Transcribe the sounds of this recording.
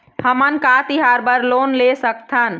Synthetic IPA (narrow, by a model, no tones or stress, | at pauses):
həmənkat̪iɦaɾbəɾlonlesəkt̪ʰən